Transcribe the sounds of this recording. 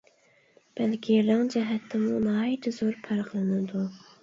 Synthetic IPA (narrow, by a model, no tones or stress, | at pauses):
b̥ɛlkʲʰielɪŋd͡ʒɛɦɛt̪ʰːɪmunɨɑjt̪ʰɪzoɾpʰæɾqlˠɨnɨd̪u